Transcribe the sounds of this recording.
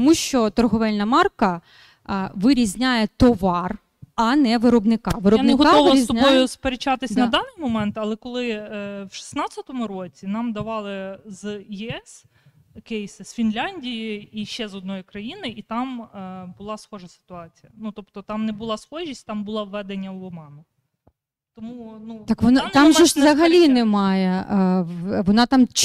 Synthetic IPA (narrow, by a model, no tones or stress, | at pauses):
t̪ɔmuʃt͡ʃɔt̪ɔrɦɔʋɛlʲnɐmɑrkɐ | ʋɪɾʲizʲnʲajɛt̪ɔʋɑr | ɐnɛʋɪɾɔbnɪkɑʋɪɾɔannɪɦɔkaɔʋɾsizʲt̪ɔnʲɔjʊspeɾet͡ʃɑt̪ɪsʲnɐd̪ɑnɪjmɔmɛnt̪ɐlˠɛkɔlˠɪwʃi̥snɑt͡sʲɐt̪ɔmʊɾot͡sʲinɑmd̪ɐʋɑlˠɪzjɛɛs | kejsɪsfʲinlʲanʲdʲijiiʃɛzɔd̪̚nɔjikɾɐjinɪʔit̪ɑmbʊlˠɑsxɔʒɐsɪ̥t̪ʊɑt͡sʲijɐnut̪ɔpt̪ɔt̪ɑmnɛbʊlˠɑsxɔʒʲisʲtʲt̪ɑmbʊlˠɑʋːɛd̪enʲːɐwlˠɔmɑnʊ | t̪ɔmunut̪akʋɔnnt̪amʒɛʃzzɐɦɐlʲinɛmɑjɛ | ʋɔnɑt̪ɑmt͡ʃ